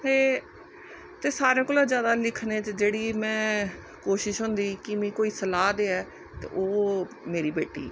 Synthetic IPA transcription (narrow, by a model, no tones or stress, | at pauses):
eː | t̪eːsaːɾẽːkoːlãːzjaːd̪aːlɪkʰnẽːt͡ʃd͡ʒeːɽiːmɛ̃ː | koːʃɪʃɦʊ̃ːnd̪iːkɪmĩːkoːiːsəlaːd̪eːɛː | t̪ḛːʔoː | meːɾiːbeːʈḭː